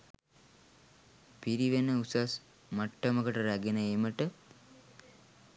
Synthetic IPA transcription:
piɾiʋenəusas | maʈːəməkəʈəɾæɡenəeməʈə

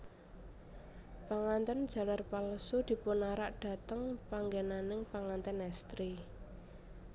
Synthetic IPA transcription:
paŋant̪ənd̥d͡ʒ̥a̤larpalsud̪̥i̤pʊnaɾaʔɖ̥a̤t̪əŋpaŋɡenanɪŋpaŋant̪ənɛst̪ɾi

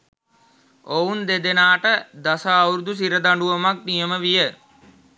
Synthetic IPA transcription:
ound̪ed̪enaːʈəd̪asaːuɾud̪us̬iɾəd̪aɳɖuʋɐmak̚nijəməʋijə

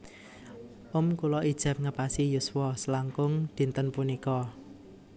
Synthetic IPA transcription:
ʔʊmkulɔʔid̥ʒ̥ɛ̤p̚ŋəpasijuswɔsəlaŋkʊŋd̪̥i̤nt̪ənpunikɔ

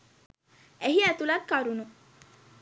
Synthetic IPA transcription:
eɦiæt̪ulat̪̚kaɾunu

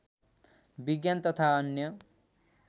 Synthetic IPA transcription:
biɡjant̪ʌt̪ʰaʌnjʌ

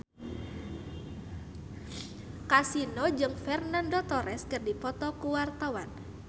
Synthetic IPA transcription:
kasinɔd͡ʒɨŋfɛrnandɔt̪ɔɾɛskɨrdipɔt̪ɔkuwart̪awan

